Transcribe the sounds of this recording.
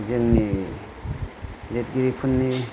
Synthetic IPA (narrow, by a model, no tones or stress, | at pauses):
zeŋni | let̚ɡiɾipʰunːi